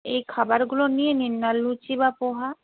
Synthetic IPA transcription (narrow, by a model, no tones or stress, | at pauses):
ejkʰabaɾɡulonijeninːalːut͡ʃibapoɦa